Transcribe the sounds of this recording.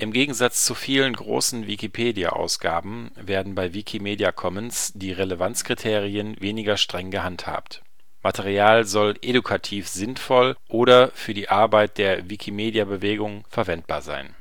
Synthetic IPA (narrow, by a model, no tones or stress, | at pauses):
ʔɪmɡeːɡŋ̩zat͡st͡sufiːlənɡʁo̰ːsn̩vikipʰeːdia̰ʔa̰ʊsɡ̥a̰ːbm̩ | veːɐdn̩baɪvikʰimeːdiakʰɔmənsd̥iːʁeləvant͡skʁ̥itʰeːʁiənveːnɪɡɐʃtʁ̥ɛŋɡəhantha̰ːpt | mʔatʰeʁ̞iaːlzɔlʔedukʰatʰiːfz̥ɪnfɔlʔoːɾɐfyːɐdiːʔaɐbaɪt̚d̥eːɐvikʰimeːdjabəveːɡʊŋfɛɐvɛnt̚b̥a̰ːɐza̰ɪn